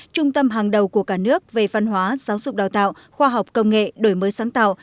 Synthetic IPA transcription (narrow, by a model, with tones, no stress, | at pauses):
t͡ɕʊ˧ŋ͡mt̪ə˧mɦaː˨˩ŋɗə˨˩wku˧˩əkaː˧˩nɨ˦˥ək̚ve˨˩va˧nɦwaː˨˦z̥aː˨˦wzʊ˨˩k͡p̚ɗaː˨˩wt̪a̰ː˧˨w | xwaː˧ɦa˨˩wk͡p̚kə˧wŋ͡mŋḛ˧˨ɗo˧˩jməː˨˦jsaː˨˦ŋt̪a̰ː˧˨w